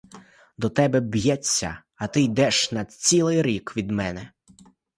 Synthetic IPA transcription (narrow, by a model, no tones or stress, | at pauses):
d̪ɔt̪ɛbɛbjɛt͡sʲːɐ̰ | ɐt̪ɪjd̪ɛʃnɐt͡sʲilˠɪjɾʲikʋʲid̪mɛnɛ